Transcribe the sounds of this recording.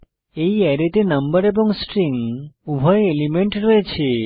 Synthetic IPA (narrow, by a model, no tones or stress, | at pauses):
eiɛɾet̪enəmbəɾebɔŋsʈɾiŋɡubʱɔjelimeɳʈɾɔet͡ʃʰe